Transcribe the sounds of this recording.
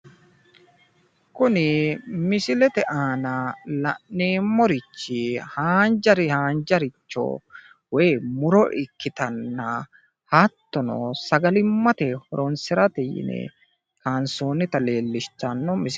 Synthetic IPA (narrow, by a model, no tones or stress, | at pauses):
kʊnɪmɪsɪlɛt̪ɛʔaːnɐlɐnːeːmːɔɾɪt͡ʃːɪhaːnd͡ʒɐɾɪhaːnd͡ʒɐɾɪt͡ʃːo̰ː | weːmʊɾɔʔɪkːɪt̪ɐnːɐ | haːt̪ːɔnɔ̰sɐɡɐlɪmːɐt̪ehɔɾɔnsɪɾɐt̪ɛjɪ̰nɛ̰ | kaːnsoːnɪt̪ɐle̞ːlːɪʃt̪ːɐnːɔmɪs